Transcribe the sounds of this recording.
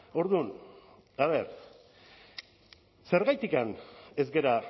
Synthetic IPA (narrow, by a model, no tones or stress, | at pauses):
o̞ɾðun | aβ̞e̞ɾ | se̞ɾɣajt̪ikane̞zɡe̞ɾa